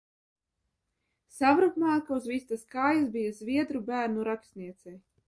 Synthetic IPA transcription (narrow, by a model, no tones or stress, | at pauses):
savɾukmaːkauzvist̪askaːjas̬bijazvʲiɛd̪ɾubæːɾnuɾakst̪niɛt̪sɛj